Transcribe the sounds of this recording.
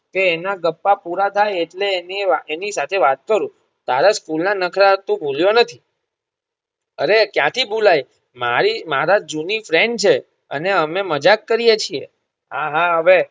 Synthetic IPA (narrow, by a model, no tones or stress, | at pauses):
keːnaɡəpːapuɾat̪ʰajeʈleeniʋaenisat̪ʰeʋat̪̚kəɾũ | t̪aɾaskulnanəkʰɾat̪õbʱuljonət̪ʰi | əɾekjat̪ʰibulaj | maɾimaɾad͡ʒunifɾeɳɖt͡ʃʰe | ə̰neəmeməd͡ʒakːəɾijet͡ʃʰiḛ | ɦa̰ɦaɦəʋe